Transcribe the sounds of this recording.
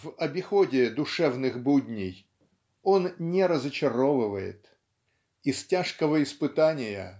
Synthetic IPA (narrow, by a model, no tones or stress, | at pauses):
vɐbʲɪxodʲɪd̪ʊʂɛvnɨxbudʲnʲɪj | o̞nnʲɪɾəzət͡ɕɪɾovɨvəjɪ̰t̪ | ɪstʲaʂkəvəɪspɨt̪anʲɪjə̰